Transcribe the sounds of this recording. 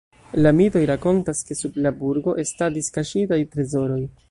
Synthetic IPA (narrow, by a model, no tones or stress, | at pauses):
lamito̞jɾako̞ntaske̞sublabuɾɡo̞ʔe̞stadiskaʃitajtɾe̞zo̞ɾo̞j